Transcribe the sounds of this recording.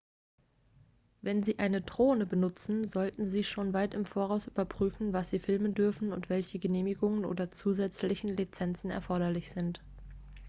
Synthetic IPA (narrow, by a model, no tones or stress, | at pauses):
vɛnziːʔaɪnədʁ̥oːnəbənʊt͡sn̩zɔltn̩ziːʃoːnvaɪtɪmfoːɐʁaʊsʔyːbɐpʁ̥yːfn̩vasz̥iːfɪlməndʏɐfn̩ʊ̰ntv̥ɛlçəɡəneːmɪɡʊŋənʔo̰ːdɐt͡suːzɛt͡slɪçn̩lit͡sɛnt͡sn̩ɛ̰ɐfɔɐɾɐlɪçz̥ɪnt